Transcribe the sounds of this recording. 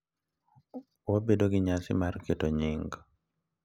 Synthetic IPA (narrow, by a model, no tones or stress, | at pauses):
wobedoɡɪɲasɪ̰marketoɲɪŋɡ